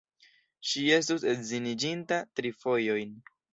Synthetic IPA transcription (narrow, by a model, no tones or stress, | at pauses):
ʃie̞stuse̞tzinid͡ʒintatɾifo̞jo̞jn